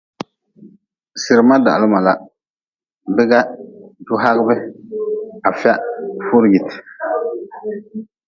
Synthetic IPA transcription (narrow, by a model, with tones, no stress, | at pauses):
sɪ˨ɾɨ˨ma˦da̰˨ʔlɪ˦ma˨la˨ | bɪ˦ɡa˦dʊ˦ɦa˦ɣɪ˦bɛ˦ | a˨fɪ˦a˦fʊ˦ɾɡi˨tɪ̥˨